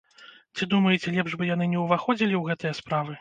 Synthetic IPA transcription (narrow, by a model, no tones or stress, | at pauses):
t͡sʲid̪umɐjɛt͡sʲɛlʲɛpʐbɨjan̪ɨnʲɛwvaxɔd͡zʲilʲiwɣɛt̪ɐjɐspɾavɨ